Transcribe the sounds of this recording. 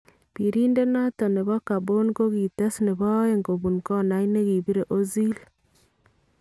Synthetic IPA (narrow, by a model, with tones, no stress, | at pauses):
pi˨ɾi˦nde˦nɔ˦tɔ˨ne˨βɔ˦ka˨bo˦nko˦ɡi˨tɛ˦sne˨βɔ˦e˨ŋɡo˨bu˨nkɔ˦na˨ine˦ki˨bi˦ɾe˨ʔo˦zi˦l